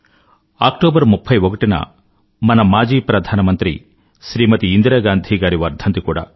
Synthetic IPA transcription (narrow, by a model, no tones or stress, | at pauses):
aːkʈoːbɐɾmupʰːɐjʋoɡɐʈinɐ̰ | mɐnɐmaːd͡ʒiːpɾɐd̪ʱaːnɐmɐnt̪ɾḭ | ʃɾiːmɐt̪iːnd̪ɾɐɡaːnd̪ʱiɡaːɾiʋɐɾd̪ʱɐnt̪ikuːɽɐ̰